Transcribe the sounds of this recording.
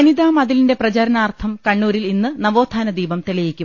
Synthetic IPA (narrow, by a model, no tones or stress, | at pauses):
ɐniðaːmɐðilinde̞prɐt͡ɕɐɾɐnaːrt̪ʰɐmkɐɳːuːɾilinːɨnɐʋoːt̪ʰːaːnɐd̪iːbɐmt̪eɭijikʲːum